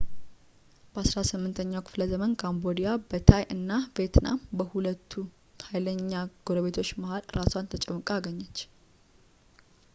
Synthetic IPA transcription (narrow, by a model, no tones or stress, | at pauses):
b̥əasɾasɨmːɨnt̪ʰəɲːawkʰɨ̥fləzəmənkʰambo̞d̪ijabət̪ʰajʔɨnːavet̪na̰mbəhulət̪ʰːu | hajləɲːaɡ̥oɾəβe̞t̪ʰot͡ʃːmahalɾasant̪ʰət͡ʃʼɛmːəkʼaɡəɲːət͡ʃː